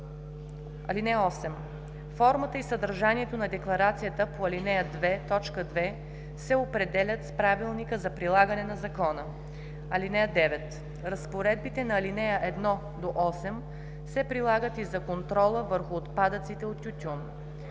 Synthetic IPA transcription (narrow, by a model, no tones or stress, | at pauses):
ɐ̰linɛjəɔsɛm | fɔɾmət̪əisəd̪əɾʒaniɛt̪onɐd̪ɛklˠɐɾat̪sijət̪əpoɐlinɛjəd̪vɛt̪ɔt͡ʃkəd̪vɛ | sɛopɾɛd̪ɛlʲət̪spɾavilˠnikəzɐpɾilˠaɡənɛnɐzɐkɔnə | ɐlinɛjəd̪ɛvɛt̪ | ɾɐspoɾɛd̪̚bit̪ɛnɐːlinɛjəʔɛd̪nɔ | d̪oʔɔsɛm | sɛpɾilˠaɡət̪izɐkont̪ɾɔlˠəvəɾxʊːt̪pad̪ət̪sit̪ɛot̪ʲjut̪ʲun